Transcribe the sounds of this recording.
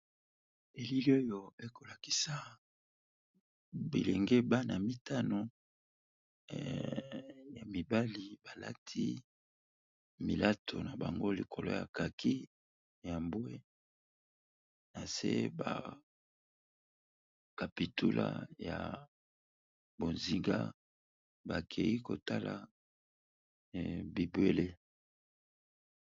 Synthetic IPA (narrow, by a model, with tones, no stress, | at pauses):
e˨li˦li˦o˦jo˨e˦ko˨la˨ki˨sa˨ | bḭ˨lɛ˨ŋɡe˦ba˦na˨mi˦ta˦no˨ | ja˨mi˨ba˦li˨ba˨la̰˦tʰi˦ | mi˨la˦tʰo˨na˨ba˨ŋɡo˦li˨kʰo˨lo̰˦ja̰˨ka˨kʰi˦ | ja˨mbo˦e˦ | na˨sḛ˦ba̰˨ | ka˨pi˨tu˦lʔa̰˦ja̰˨ | bo˨nzi˨ŋɡa̰˦ | ba˨kʰe˨ji˦ko˨ta˦la˨ | bi˨bwe˨le˦